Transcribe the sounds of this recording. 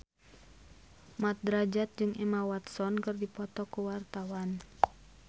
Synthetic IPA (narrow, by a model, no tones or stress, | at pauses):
mat̪̚dɾad͡ʒat̪̚d͡ʒɨŋʔɛmawat̪sɔnkɨrdipɔt̪ɔkuwart̪awan